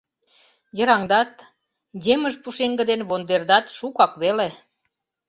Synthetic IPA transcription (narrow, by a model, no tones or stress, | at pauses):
jə̆ɾɑŋd̪ɑt̪ | jeməʒpuʃeŋɡə̆d̪enβond̪erd̪ɑt̪ʃukɑkβele